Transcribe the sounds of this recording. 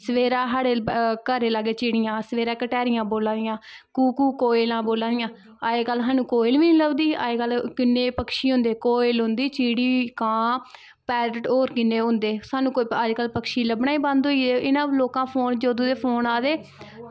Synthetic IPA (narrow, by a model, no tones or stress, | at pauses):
səʋeːɾãːɦaːɽeːkəɾeːlaɡeːt͡ʃiːɽɪjãːsəʋeːɾãːkəʈɛːɾɪjãːboːlãːd̪ɪjãːkuːkuːkoːɪlãːboːlãːd̪ɪjãː | aːeːkəlsaːnũːkoːɪlʋiːniləbd̪iːa̰ːeːkəlkɪnːeːpəkʃiːɦʊ̃nd̪eːkoːɪlɦʊ̃nd̪iːt͡ʃiːɽiːkãː | pɛːɾəʈoːɾkɪnːeːɦʊ̃nd̪eːsaːnũːkoːiəd͡ʒkəlpəkʃiːləbnaːiːbãnd̪oːiːd̪eːɪnãːloːkãːpʰoːnd͡ʒoːd̪õːd̪eːpʰoːnaːd̪eː